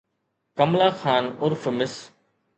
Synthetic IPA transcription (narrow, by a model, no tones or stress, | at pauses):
kəmlaːxaːnʊɾfmɪs